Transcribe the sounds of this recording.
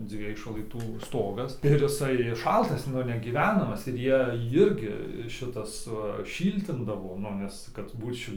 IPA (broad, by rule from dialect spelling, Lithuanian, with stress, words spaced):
ˈd͡zʲʋʲiɛj ʃlˠɐɪˈtuː ˈstoːɡɐs ɪr ɪˈsɐɪ ˈʃɐlˠtɐs ˈnʊ nʲɛɡʲiːˈʋʲæːnɐmɐs ɪr ˈjiɛ ˈjɪrʲɡʲɪ ˈʃʲɪtɐs ʋɐ ˈʃʲiːlʲtʲɪndɐʋoː ˈnʊ ʋʲɪs ˈkɐt ˈbuːt ˈʃʲɪlʲ